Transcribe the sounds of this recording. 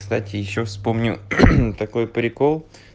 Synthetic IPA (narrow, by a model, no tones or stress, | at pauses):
st̪atʲɪjɪɕːofspomnʲʊt̪ɐko̞jpɾʲɪkolˠ